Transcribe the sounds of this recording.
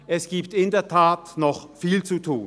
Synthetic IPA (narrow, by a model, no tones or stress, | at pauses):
ʔɛsɡ̥iːp̚tɪndeːɐtʰaːtnɔχfiːlt͡sutʰuː